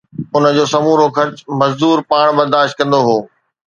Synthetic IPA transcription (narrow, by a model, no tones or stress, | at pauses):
ʊnə̆d͡ʑoːsɐmuːɾokʰɐɾt͡ɕmɐzd̪uːɾpaːɽ̃bɐɾd̪aːʃt̪̚kɐ̃nd̪oɦoː